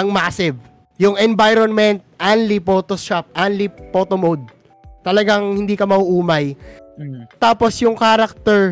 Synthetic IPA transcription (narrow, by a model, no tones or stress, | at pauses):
ɐŋmaːsɪv | jʊŋɛnbajɾonmɛnt̪̚ʔanlipoːt̪oʃap̚ʔanlipoːt̪omowd̪̚ | t̪ɐlɐɡaŋhɪnd̪iːkɐmɐʔuʔuːmɐj | t̪aːposjʊŋkaːɾɐk̚t̪ɛɹ